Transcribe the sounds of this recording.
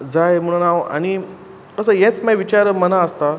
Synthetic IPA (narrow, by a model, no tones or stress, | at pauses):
d͡zajm̤əɽ̃unaʋa̰ɽ̃i | kəsəjɛ̃t͡smajʋit͡ɕaɾmənaəst̪a